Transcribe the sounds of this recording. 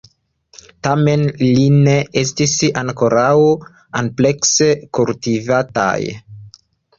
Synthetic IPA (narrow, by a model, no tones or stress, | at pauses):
tame̞nline̞es̬tisaŋkoɾaw | anple̞ksekultivata̰j